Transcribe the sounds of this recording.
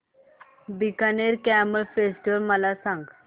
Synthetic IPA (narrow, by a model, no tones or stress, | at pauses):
bikaneɾkæməɭfesʈiʋəɾməlasãŋɡ